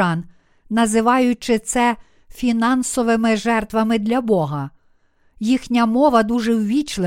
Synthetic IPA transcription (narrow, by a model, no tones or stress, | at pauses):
ɑn | nɐzɪʋɑjʊt͡ʃɪt̪sɛ | fʲinɑnsɔʋɪmɪʒɛrt̪ʋɐmɪd̪lʲɐbɔɦɐ | jixnʲɐmɔʋɐd̪uʒɛwʋʲit͡ʃlˠɪ